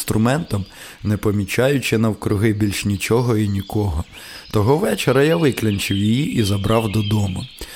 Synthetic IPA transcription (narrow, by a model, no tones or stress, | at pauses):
t̪ɾʊmɛnt̪ɐm | nɛpɔmʲit͡ʃɑjʊt͡ʃɪnɐwkɾʊɦɪbʲilʲʃnʲit͡ʃɔɦɔinʲikɔɦɔ | t̪ɔɦɔʋɛt͡ʃeɾɐjaʋɪklʲɐnʲt͡ʃɪwjijiʔizɐbɾɑwd̪ɔd̪ɔmʊ